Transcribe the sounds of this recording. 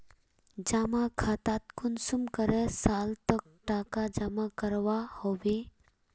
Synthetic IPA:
d͡ʒamakʰaːt̪at̪̚kʰʊnsumkəɾɛsaːlt̪ək̚ʈaːkad͡ʒamakəɾʋahoʋe

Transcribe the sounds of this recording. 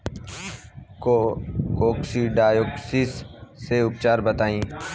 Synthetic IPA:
koːksiːɖaːjoːksisːeːʊp̚t͡ʃaːɾbət̪aːĩː

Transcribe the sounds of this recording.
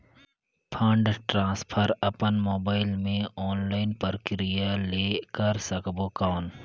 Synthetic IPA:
pʰãːɳɖʈɾãːspʰəɾɐpənmoːbaːɪlmẽɔːnlaːɪnpəɾkɪɾɪjaleːkəɾsəkboːkaːn

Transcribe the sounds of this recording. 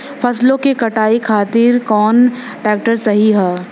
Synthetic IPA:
fʰɐslõkekɐʈaːikʰaːt̪ɪɾkɔːn | ʈɛːk̚ʈəɾsɐɦiɦɛː

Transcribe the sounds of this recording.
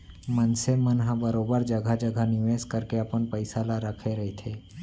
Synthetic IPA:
mənsemənɦãbəɾoːbəɾd͡ʒɐɡʱad͡ʒəɡʱanɪʋeːskəɾkeəpənpəɪsaːlaɾəkʰeɾɐɦet̪ʰeː

